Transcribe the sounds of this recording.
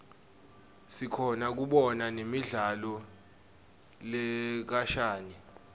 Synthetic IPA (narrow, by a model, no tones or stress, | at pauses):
sikʰɔnak̬uɓɔnanemiɮalɔ | lɛk̬aʃaːni